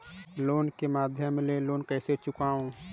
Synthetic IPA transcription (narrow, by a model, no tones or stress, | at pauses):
loːnkemaːd̪ʱjəmleloːnkɛːset͡ʃʊkaːõ